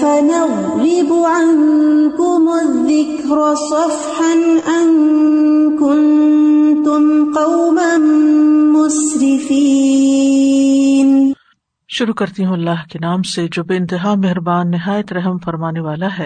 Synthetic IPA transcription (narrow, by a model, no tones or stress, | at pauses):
fanɑɣɾɪbʊʕaŋkʊmʊðːɪkɾsˤɑf | ħanʔan | kʊnt̪ʊmqɑwmanː | ʊsɾɪfiː | n | ʃʊɾukɐɾt̪iɦũɐlːaːɦkenaːmsed͡ʒoːbeɪ̃nt̪ɪɦaːmeɦɾbaːnːɪɦaːjət̪ɾɐɦəmfɐɾmaːneʋaːlaɦɛː